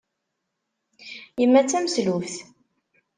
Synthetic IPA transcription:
jəmːæt͡sːæməslufθ

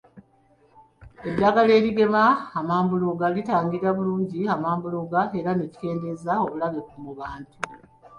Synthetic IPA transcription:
e̞dːaːɡale̞ːliɡe̞maːmaːmbuloɡalitaːŋɡiɾaβuluːɲɟiamaːmbuloɡae̞ɾaneci̥ke̞ːnde̞zao̞βulaβekumuβaːntu

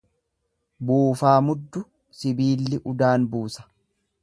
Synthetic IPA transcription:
buːfaːmʊd̪ːʊ | sɪbiːlːɪʔʊd̪aːnbuːsɐ̥

